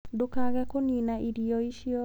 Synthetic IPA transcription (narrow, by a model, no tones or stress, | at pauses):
dokaɣɛkoninaʔiɾiɔiʃiɔ